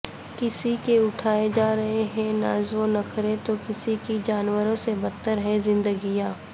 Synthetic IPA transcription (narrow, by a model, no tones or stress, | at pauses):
kɪsikeʊʈʰaːed͡ʒaːɾɐɦeɦɛ̃na̰ːzõnɐkʰɐɾet̪okɪsikid͡ʒaːnwəɾõsebɐt̪ːəɾɦɛzɪ̃nd̪əɡijaː